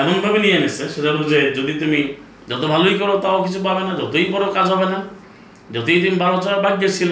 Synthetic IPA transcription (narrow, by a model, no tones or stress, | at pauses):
anɔnbʱabenianeseʃetaɾud͡ʒed͡ʒod̪it̪umi | d͡ʒɔt̪obʱalojkɔɾot̪aokit͡ʃʰup̬abenad͡ʒɔt̪oikɔɾokad͡ʒɦɔbena | d͡ʒɔt̪ojt̪umibaɾɔt͡ʃabaɡːesʰil